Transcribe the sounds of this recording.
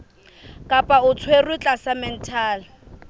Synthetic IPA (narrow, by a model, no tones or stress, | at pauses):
kʼapʼaʊt͡sʰwerwɪt͡ɬʼasamɛn̩tʰaːlɪ